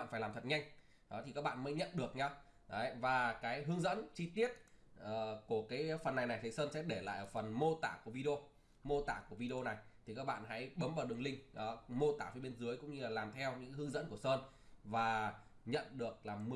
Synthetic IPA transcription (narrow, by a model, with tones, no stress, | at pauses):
a̰ː˧˨nfa˧˩jlaː˨˩mt̪ʰə˨˩t̚ɲa˧jŋ̟ | ɗɔ˨˦t̪ʰi˨˩kaː˦˥k̚ɓa̰ː˧˨nmə˨˦jɲə̰˧˨nɗɨ˨˩ək̚ɲa˧w | vaː˨˩kaː˨˦jɦɨ˧əŋzə̰˧˥nt͡ɕi˧t̪i˦˥ət̚ʔəː˨˩ku˧˩əkaː˨˦jfə˨˩nːa˨˩jna˨˩jt̪ʰi˨˩˦səː˧nsɛ̰˧˥ɗe˧˩la̰ː˧˨jʔəː˧˩fə˨˩nmo˧t̪a̰ː˧˩ku˧˩vi˧ɗi˧o˧ | mo˧t̪a̰ː˧˩ku˧˩əvi˧ɗi˧o˧na˨˩jt̪ʰi˨˩kaː˦˥k̚ɓa̰ː˧˨nɦa̰˧˥jɓə˨˦mɓaː˧˩ɗɨ˨˩əŋlï˧ŋ̟ʔɔː˨˦mo˧t̪a̰ː˧˩fəː˨˦ɓe˧nzɨ˨˦əjkʊ̰˧˥ŋ͡mɲɨ˧laː˨˩laː˨˩mt̪ʰɛ˧wɲɨ̰˧˥ka˨˦ɦɨ˧əŋzə̰˧˥nku˧˩əsəː˧n | vaː˨˩ | ɲə̰˧˨nɗɨ˨˩ək̚laː˨˩m˧